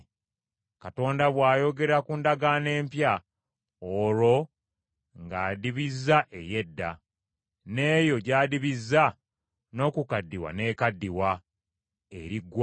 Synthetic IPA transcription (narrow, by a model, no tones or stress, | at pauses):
kato̞ːndaβwaːjo̞ɡe̞ɾakundaɡane̞ːmpja | olo̞ | ŋɡaːdiβizːaʔe̞je̞dːa̰ | neːjo̞ɟaːdiβizːa | no̞ːkukadːiwa̰ne̞ːkadːiwa | ḛɾiɡːw